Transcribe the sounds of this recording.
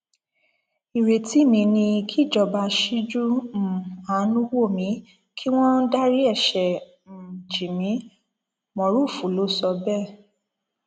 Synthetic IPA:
i˨ɾe˨ti˦˨mĩ˧nĩ˧kʰi˦˨d͡ʒɔ˨ba˧ʃi˦d͡ʒu˦m̩˨a˨˦nũ˦wo˦˨mĩ˨˦ | kʰi˦w̃ɔ̃˦da˦ɾi˦ɛ˦˨ʃɛ˨ | d͡ʒi˨mĩ˨˦ | mɔ̃˨˦ɾu˦˨fu˨˦lo˨˦sɔ˧bɛ˦˨

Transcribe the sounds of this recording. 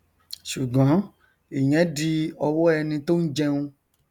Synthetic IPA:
ʃu˨ɡ͡bɔ̃˨˦ | i˨j̃ɛ̃˨˦di˧ɔ˧wɔ˦ɛ˧nĩ˧to˦n̩˦d͡ʒɛ˧ũ˧

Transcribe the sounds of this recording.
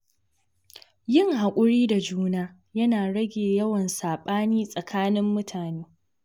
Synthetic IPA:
jɪ˦ŋha˨kʷʼʊ˦ɽiː˦da˨d͡ʒuː˦naː˦ | jɐ˦naː˨ɽɐ˦ɡʲeː˨jɐ˦wɐ˨nsaː˨ɓaː˦niː˦sʼɐ˨kʰaː˦nɪ˦mːʊ˦tʰaː˨neː˦

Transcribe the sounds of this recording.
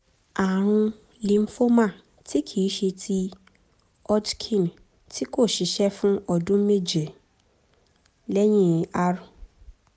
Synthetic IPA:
a˨ɾ̃ũ˧ | li˨m̩˦fo˦mã˦˨ | tʰi˦kʰi˨i˨˦ʃe˧tʰi˧ | ɔ˦dkʰĩ˦˨n | tʰi˦ko˦˨ʃi˨˦ʃɛ˦fũ˦ɔ˧˨dũ˦me˦˨d͡ʒe˨ | lɛ˦j̃ĩ˦˨a˦ɾũ˨

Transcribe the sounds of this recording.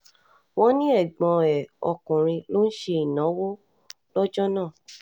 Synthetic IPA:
w̃ɔ̃˦nĩ˦ɛ˦˨ɡ͡bɔ̃˧ɛ˨ɔ˧kũ˨ɾ̃ĩ˧lo˦n̩˦ʃe˧i˨nã˨˦wo˦ | lɔ˦d͡ʒɔ˦nãː˦˨

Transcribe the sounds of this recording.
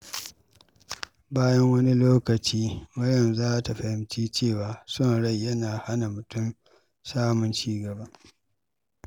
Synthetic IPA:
baː˦jɐ˦ŋwɐ˦ni˦loː˦kɐ˨t͡ʃiː˦mɐ˦jɐ˨nzaː˦ta˨ɸɐ˨hɪ˦mt͡ʃiː˦t͡ʃeː˦˨waː˨sʊ˦˨nɽa˦˨jjɐ˦naː˨ha˦na˨mʊ˨tʊ˦m | saː˦mʊ˦nt͡ʃiː˦ɡɐ˨ba˦ʔ

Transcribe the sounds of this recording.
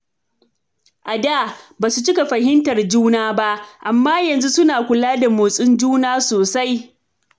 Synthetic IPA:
ʔa˨daː˦˨baː˨su˨t͡ʃɪ˦ka˨ɸɐ˨ɦɪ˦ntɐ˨rd͡ʒuː˦naː˦ba˦ʔʔa˨mːaː˦jɐ˨nzu˦sʊ˦naː˨kʷʊ˨laː˦da˨moː˨sʼɪ˦nd͡ʒuː˦naː˦soː˨sa˦j

